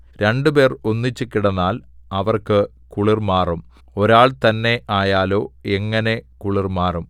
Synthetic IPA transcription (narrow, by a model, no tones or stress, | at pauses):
ɾe̞ɳɖube̞ːronːit͡ɕːukːiɽɐnːaːlɐʋɐrkɨ | kuɭirmaːrum | o̞ɾaːɭt̪ɐnːe̞ʔaːjaːlo̞ːeŋːɐne̞kuɭirmaːrum